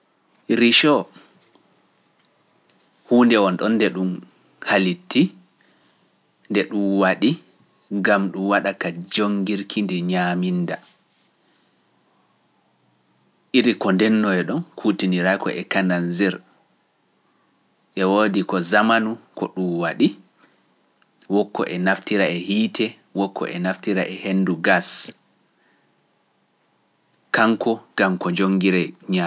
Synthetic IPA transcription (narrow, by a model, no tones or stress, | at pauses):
ɾiʃɔ | huːndɛwɔnɗɔnːdɛɗum | halitʰːi | ndɛɗumwaɗi | ɡamɗumwaɗakad͡ʒoŋɡiɾkʰindɛɲaminda | ʔiɾikɔndɛnːɔɛɗɔnkʰutiniɾakɔ̰ʔɛkananzɛɾ | ʔɛwoːdikɔzamanukʰɔɗumwaɗi | wɔkʰːɔ̰ʔɛnaftiɾaɛhiːtʰɛ | wɔkʰːɔ̰ʔɛnaftiɾaʔɛhenduɡas | kaŋkʰɔɡ̥amkɔd͡ʒoŋɡiɾɛɲa